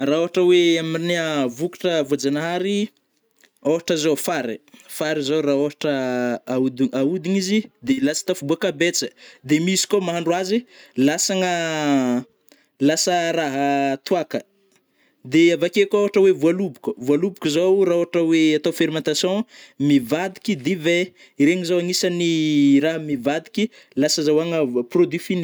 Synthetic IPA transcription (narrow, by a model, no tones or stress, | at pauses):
raoɦaʈ͡ʂəweamiineəvuki̥ʈ͡ʂəvuad͡zanɦaɾi | oɦaʈ͡ʂəzofaɾifaɾizowraoɦaʈ͡ʂəaud̪iaud̪iɲizid̪elasə̥t̪afubuakabet͡səd̪emisi̥komaɦaɳɖ͡ʐwazilasaŋə | lasəɾaɦat̪uakə | d̪eavakekʲoɦaʈ͡ʂəwevualubukʲəvualubukʲuzowraoɦaʈ͡ʂəweat̪ofeɾimɑ̃nt̪asjɔ̃mivad̪ikʲid̪ive | iɾeŋizawaŋisaniraɦəmivad̪i̥kʲi | lasəzawaŋəprod̪ifini̥